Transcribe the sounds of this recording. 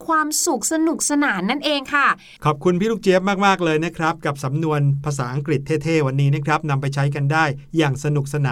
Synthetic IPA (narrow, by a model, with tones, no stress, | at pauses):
kʰwaː˧msu˨˩k̚sa˧nu˨˩k̚sa˧naː˩˦nːa˥˩nʔeː˧ŋkʰa˥˩ | kʰɔː˨˩p̚kʰu˧npʰiː˥˩luː˥˩kt͡ɕe˦˥p̚maː˥˩k̚maː˥˩k̚lɤː˧jna˦˥kʰɾa˦˥p̚ka˨˩p̚sa˩˦mnu˧ənpʰaː˧saː˩˦ʔa˧ŋkɾi˨˩t̪ʰːeː˥˩t̪ʰeː˥˩wa˧nːiː˦˥na˦˥kʰɾa˦˥p̚na˧mpa˧jt͡ɕʰa˦˥jk̬a˧ndaː˥˩jːaː˨˩ŋsa˧nu˨˩k̚sa˧naː˩˦n